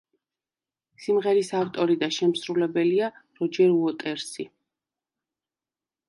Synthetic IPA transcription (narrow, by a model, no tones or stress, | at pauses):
simʁɛɾisaft̪ʼɔɾid̪aʃɛmsɾulɛbɛliaɾɔd͡ʒɛɾuɔt̪ʼɛɾsi